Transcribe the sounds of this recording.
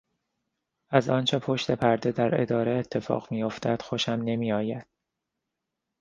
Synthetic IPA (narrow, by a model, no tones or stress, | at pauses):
ʔæzɒːnt͡ʃʰe̞pʰo̞ʃt̪e̞pʰæɾd̪e̞d̪æɾe̞̰d̪ɒːɾe̞et̪ʰːe̞fɒ̰ːɣmijoft̪ʰæd̪̥xoʃæmne̞miːɒːjæd̪̥̚